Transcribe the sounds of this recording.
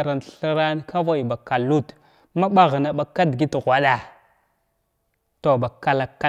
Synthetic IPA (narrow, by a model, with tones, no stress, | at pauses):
ɾa˨nɬə˦ɾa˦n˦ka˦va˦i˨ba˨ka˨lu˦t | ma˦ɓa˦ɣə˨na˨ɓa˨kːa˦dɡi˦tɣʷa˦ɗa˨ | to˨ba˨ka˨la˨kːa˦